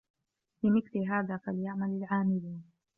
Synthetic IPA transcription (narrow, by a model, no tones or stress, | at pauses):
lɪmɪθlɪɦaːðaːfaljaʕmalɪlʕaːmɪluːn